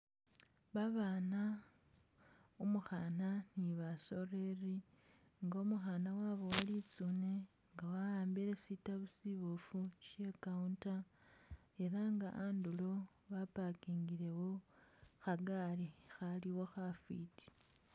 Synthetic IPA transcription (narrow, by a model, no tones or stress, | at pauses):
βaβaːna | umuxananiβaso̞reri | ŋɡomuxanawaβo̞walit͡sune | ŋɡawajaːmbiɾe̞sitaβusiβufuʃekaunta | e̞ɾaŋɡaʔandulo̞ | βapakiːŋɡiɾe̞wo̞xaɡaɾixaliwo̞xafḭti̥